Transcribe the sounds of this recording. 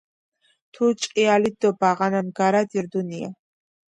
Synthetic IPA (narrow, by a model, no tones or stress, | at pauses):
t̪ʰut͡ʃʼqʼialid̪ɔbaʁananɡaɾad̪iɾd̪unia̰